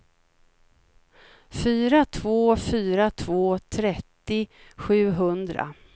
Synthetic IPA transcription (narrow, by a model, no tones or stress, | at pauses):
fyːɾat̪ʰvoːfyːɾat̪ʰvoːt̪ʰɾɛt̪ːɪɧʉ̟ːɦɵnd̪ɾa̰